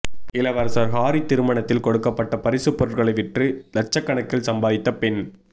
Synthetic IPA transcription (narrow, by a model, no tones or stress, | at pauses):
ɪlɐʋɐɾsɐɾɦaːɾit̪ɪɾɯmɐɳɐt̪ːɪlkɔɽɯkːɐpːɐʈːɐpɐɾɪsɯpːɔɾɐɾɣɐɭɐɪʋɪʈrɯlɐt͡ʃːɐkːɐɳɐkːɪlsɐmbaːðɪt̪ːɐpɛn